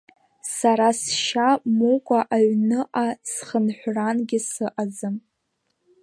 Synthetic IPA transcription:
saɾasʃamukʷʼaʔaɥnɨʔasχənħʷranɡʲɪsɨʔazɨm

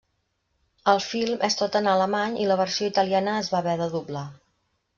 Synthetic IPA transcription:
əlˠfilˠmʔɛst̪ot̪ənaləmaɲiləβərsioit̪əlianəːzβaβɛðəðubla

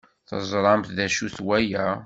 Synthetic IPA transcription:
θə̰zˤɾˤɑmθðæʃuθwæjæ

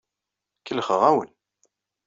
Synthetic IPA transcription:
kəlχəʁæwə̰n

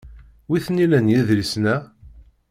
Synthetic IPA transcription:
wiθnilænjiðlisnæ

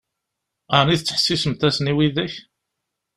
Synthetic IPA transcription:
aniðət͡sːə̥ħə̥sːisəmt̪æsəniwiðæç

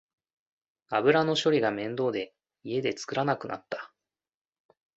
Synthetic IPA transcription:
abɯ̟ɾano̞ɕo̞ɾʲiɡamẽ̞nd̪o̞ːd̪e̞ | ie̞d̪e̞t͡sɨ̥kɯ̟ɾanakɯ̟na̰t̪ːḁ

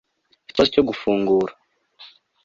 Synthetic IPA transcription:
ci̥tozoco̞ɡufuːŋɡuːɾa

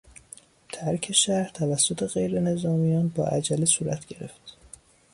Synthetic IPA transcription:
t̪ʰæɾkʰe̞ʃæɾɾt̪ʰævæsːo̞t̪ʰe̞ɣe̞jɾe̞ne̞zɒːmijɒːnbɒ̰ːʔæ̰d͡ʒælisuːɾæt̪ʰɟe̞ɾe̞̰ft̪

